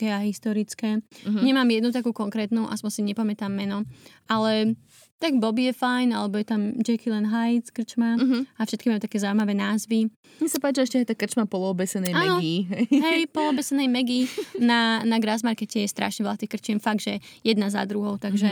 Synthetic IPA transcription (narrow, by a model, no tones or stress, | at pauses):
kɛaɦist̪ɔɾit͡skɛɲɛmaːmjɛd̪nut̪akuːkɔŋkɾɛːt̪nuʔa̰spɔnsiɲɛpamɛt̪amːɛnɔʔalɛ | t̪aɡbɔbijɛfajnalɛbɔjɛt̪amd͡ʒɛkilɛnɦajtkr̩t͡ʃmaɦafʃɛt̪̚kimamɛt̪akɛːzaʊwimaʋɛːnaːzʋi | ɲɛsapaːt͡ʃiɛʃcɛɛjt̪akr̩t͡ʃmapɔlɔbɛsɛnɛɛjaaːɛnɔɡiɦɛɦɛjpɔlɔbɛsɛnɛjmɛɡinanaɡɾazmaɾkɛcɛjɛst̪ɾʔa̰ʃɲɛʋɛlat̪ixkr̩t͡ʃiɛmfaɡd̪ʒɛjɛd̪naza̰d̪ɾuɦɔʊt̪aɡʒɛ